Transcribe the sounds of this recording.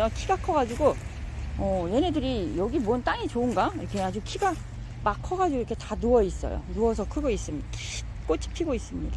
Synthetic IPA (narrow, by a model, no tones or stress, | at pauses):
ʌkʰiɡakʰʌɡad͡ʑiɡo | ʌjene̞dɯɾijʌɡimʌnt͈aŋit͡ɕoɯnɡaiɾʌkʰead͡ʑukʰiɡa | makʰʌɡad͡ʑiɡoiɾʌkʰe̞tanuʌis͈ʌ̰jo̰nuʌsʰʌkʰɯɡʌis͈ɯm | k͈ot͡ɕʰi̥pʰiɡois͈ɯmɲid̥a